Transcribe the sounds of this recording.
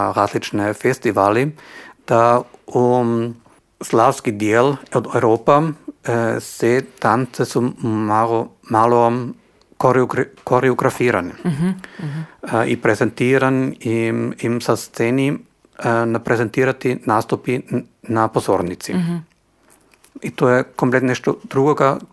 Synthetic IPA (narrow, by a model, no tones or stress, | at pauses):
ɾaːzlit͡ʃnefest̪iʋaːlid̪̥au | slawskid̪jeːlod̪eɾoːpa | set̪ant̪sesumaomalˠo | koɾɡkoɾeoɡɾafiːɾani | ʔipɾezent̪iːɾaniimsast̪seni | napɾezent̪iːɾat̪inaːst̪upi | napozoːɾnit̪sḭ | it̪oːjekomplet̪nɛʃt̪od̪ɾuɡoɡa